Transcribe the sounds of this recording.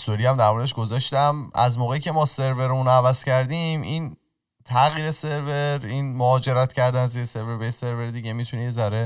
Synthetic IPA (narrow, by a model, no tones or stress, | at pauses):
solihæmd̪æɾmoɾed̪eʃɡ̥o̞zɒʃt̪æmæ̰zmoːɣe̞iːcʰe̞mɒːse̞ɾve̞ɾunævæz̥cæɾd̪imʔin | t̪ʰæɣiːɾe̞se̞ɾveɾiːnmoɒːd͡ʒe̞ɾæt̪ʰcʰæɾd̪ænæzese̞ɾveɾbese̞ɾveɾd̪iːɟemit̪ʰunejezæɾe